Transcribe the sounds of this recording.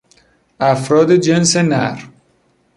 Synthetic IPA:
ʔæfɾɒːd̪ed͡ʒensenæɾ

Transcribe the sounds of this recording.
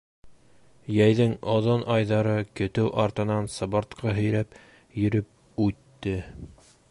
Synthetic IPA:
jæjðɘŋoðonʔɑjðɑɾɤkɵ̆t̪ɘwʔɑɾt̪ɤ̆nɑnsɤ̆βɑ̆ɾt̪qɑɦɵ̆jɾæp | jɵ̆ɾɘp̚ | ʉt̪ːɘ

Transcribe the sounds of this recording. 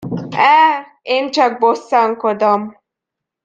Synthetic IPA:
ɛː | eːnt͡ʃɒɡ̚bosːɒŋkod̪om

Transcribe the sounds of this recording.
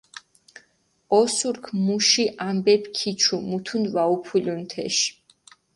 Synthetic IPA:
ɔsuɾkʰmuʃiʔambɛpʰkʰit͡ʃʰumut̪ʰunvaupʰulʲunt̪ʰɛ̰ʃ

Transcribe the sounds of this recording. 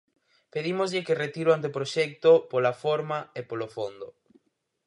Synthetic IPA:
peðimozʎɪkeret̪iɾwant̪̬eopɾoʃɛk̚t̪opolafoɾmaepolofond̪o

